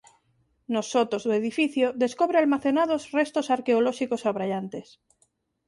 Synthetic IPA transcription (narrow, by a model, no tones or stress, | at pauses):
nosːot̪ozðoeðifiθjoðe̞skoβɾealmaθenað̞ozre̞st̪osaɾkeoloʃikosaβɾaʎant̪e̞s